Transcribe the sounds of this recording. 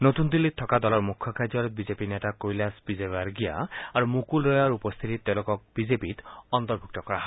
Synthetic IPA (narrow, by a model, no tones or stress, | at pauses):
not̪und̪ilːit̪ʰːɔkadɔlɔɹmukʰːɔkʰad͡ʒɔɾ̚bizepinetakojlasbizebaɹɡija̰aɹumukulɹɔjaɹupɔst̪ʰit̪itt̪ːeʊ̃lokɔk̚bizepit̪ɔnt̪ɔɹbʱuk̚tɔkɔɹaɦ